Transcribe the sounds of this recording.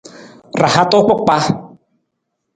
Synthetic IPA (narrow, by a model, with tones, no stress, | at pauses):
ra˨ha˦t̪o˦k͡pɔ˦k͡pa˦